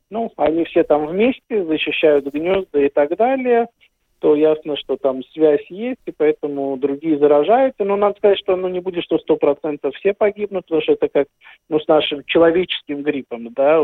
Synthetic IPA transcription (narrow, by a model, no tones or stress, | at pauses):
nuɐnʲifsʲe̞t̪amvmʲesʲtʲɪzəɕːɪɕːæjʊt̪ɡnʲozd̪əɪt̪aɡd̪alʲɪjə | t̪o̞jasnəʂt̪o̞t̪amsvʲæsʲjesʲtʲɪpɐɛt̪əmʊd̪ɾʊɡʲijəzəɾɐʐajʊt̪səno̞nad̪əskɐzatʲʂt̪o̞nunʲɪbudʲɪt̪ʂt̪ost̪o̞pɾɐt̪sɛnt̪əffsʲepɐɡʲibnʊt̪̚pət̪ɐmuʂt̪oɛt̪əkak̚ | nusnaʂɨmt͡ɕɪlˠɐvʲet͡ɕɪ̥skʲɪmɡɾʲipəmd̪a